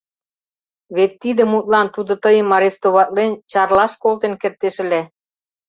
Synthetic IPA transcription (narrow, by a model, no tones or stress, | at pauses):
βet̪ːid̪ə̆mut̪̚lɑnt̪ud̪ŏt̪əjə̆mːɑɾest̪oβɑt̪̚lent͡ɕɑrlɑʃkolt̪enkert̪eʃɘ̆le